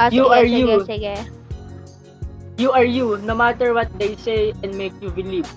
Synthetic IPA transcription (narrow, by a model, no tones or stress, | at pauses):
juaɹju | juʔaɹjunomat̪ɛɹwɐt̪̚d̪ejsejɛ̃nmejkjubɪliv